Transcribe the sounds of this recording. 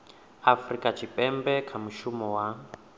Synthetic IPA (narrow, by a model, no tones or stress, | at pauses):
afrikʼat͡ʃʰipʼɛmbɛkʰamuʃumɔwa